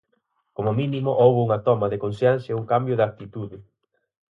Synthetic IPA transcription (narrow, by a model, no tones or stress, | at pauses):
komʊmĩnimʊʔowβʊuŋɐt̪ɔmɐðɪkonsjansjeuŋkambjʊðak̚t̪it̪uðɪ